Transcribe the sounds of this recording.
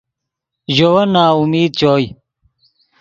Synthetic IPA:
ʑowɐnaːumiːd̪̚t͡ɕoːj

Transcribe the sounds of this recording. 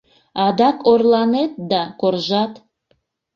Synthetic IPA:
ɑd̪ɑkorlˠɑnet̪̚d̪ɑkorʒɑt̪

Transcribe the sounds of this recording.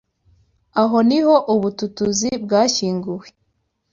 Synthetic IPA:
aɦo̞niho̞ʔuβututuzib̚ɡaːçiːŋɡuwe

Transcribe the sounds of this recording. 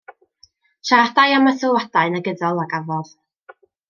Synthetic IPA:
ʃaadajaməθəwadaɨnaɡədɔlˠaɡavɔð̥

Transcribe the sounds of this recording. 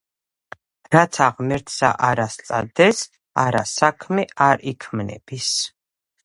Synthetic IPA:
ɾat̪sʰaʁmɛɾt̪ʰsa̰ʔaɾast̪sʼad̪ɛs | aɾa̰sakʰmɛaɾikʰmnɛ̰b̥is

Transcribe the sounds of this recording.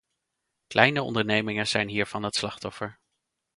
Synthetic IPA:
klʔɛjnəɔ̰ndəɹnejmɪŋənz̥ɛjnɦiːɹv̥ɑnɦətslɑχtɔfəɹ

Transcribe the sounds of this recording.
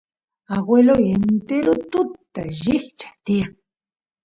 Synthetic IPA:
aɡwelojent̪eɾʊt̪ʊt̪ːa̰ʒɪht͡ʃḁt̪ia

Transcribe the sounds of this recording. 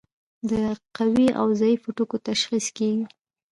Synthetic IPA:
d̪əqawia̰wzɑjifoʈokot̪aʃxiskeɡi

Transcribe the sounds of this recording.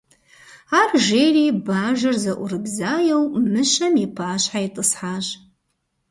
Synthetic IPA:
arʒeribaːʒɐrzɐʔʷʊrɨbzaːjewmɨʃɐmipʰaːɕħaitʼɨsħaɕ

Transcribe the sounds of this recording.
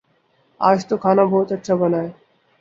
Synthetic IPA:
a̰ːʃt̪okʰanabʱoɦt̪ɐʈːɕʰabɔnae

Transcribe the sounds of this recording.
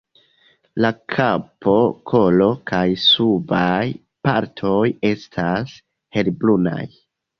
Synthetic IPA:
lakʰapʰo̞kʰo̞lo̞kajsubaj | pa̰ɾtʰo̞je̞stʰas | he̞lbluna̰j

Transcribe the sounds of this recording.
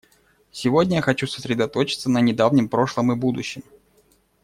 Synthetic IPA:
sʲɪvodʲnʲəjaxɐt͡ɕusə̥sɾʲɪd̪ɐt̪o̞t͡ɕɪ̥t̪sənənʲɪd̪avnʲɪmpɾo̞ʂlˠəmɨbud̪ʊɕːɪm

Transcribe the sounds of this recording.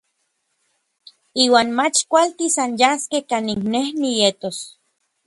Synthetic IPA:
iːwaːnmat͡ʃkʷalt̪isanjaskehkaniŋknehnijet̪os

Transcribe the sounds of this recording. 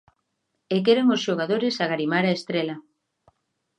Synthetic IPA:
ekeɾeŋosʃoɣaðoɾɪsaɣaɾimaɾaest̪ɾelɐ

